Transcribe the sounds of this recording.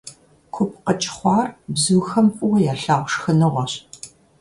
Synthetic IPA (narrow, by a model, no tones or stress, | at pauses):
kʷʰʊpʰqət͡ʃʼɪ̥χʷɑːrbzuːxɐmpʼʊwɐjaːɬaːʁʷʂxɨnɨʁʷɔɕ